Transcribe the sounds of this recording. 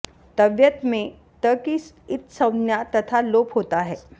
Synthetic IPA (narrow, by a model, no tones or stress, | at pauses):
t̪əʋjət̪mẽ | t̪əkis | ɪt̪səwnjat̪ət̪ʰalopɦot̪aɦɛ